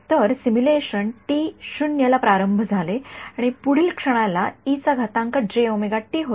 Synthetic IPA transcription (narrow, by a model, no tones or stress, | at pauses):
t̪əɾsimuleɕənʈiɕunjəlapɾaɾəmbʱəd͡zʱaleaɽ̃ipuɽ̤iːlkʂəɽ̃alait͡saɡʱat̪ãŋkəɖɾeomeɡaʈːiːɦo